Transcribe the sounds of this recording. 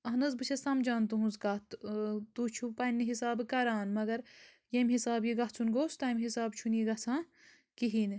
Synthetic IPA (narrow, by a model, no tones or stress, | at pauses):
ɐɦnɐzbɨt͡ʃʰɐsɐmd͡ʒaːnt̪uɦũnzkaːt̪t̪uːt͡ʃʰupɐnːiɦisaːbkɐɾaːnmɐɡɐɾ | jemɦisaːbjiɡɐɦt͡sʰunɡoːst̪aːjmɦisaːbt͡ʃʰunjiɡɐt͡sʰãː | kiɦin